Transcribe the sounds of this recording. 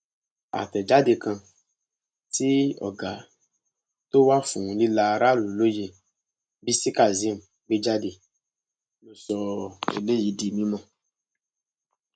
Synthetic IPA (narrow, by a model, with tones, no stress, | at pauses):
a̰˨tɛ˨d͡ʒa˦de˧kã˧ | ti˦ɔ̰˨ɡa˨ | to˦wa˦fṵ̃˨li˦la˧˨ɾa˦lu˨lo˦je˧ | bi˦si˦ka˦˨zĩ˦m̩˨ | ɡ͡be˦d͡ʒa˦de˨ | lo˧sɔ˧ḛ˨le˦˨ji˨˦di˨mĩ˦mɔ̃˦˨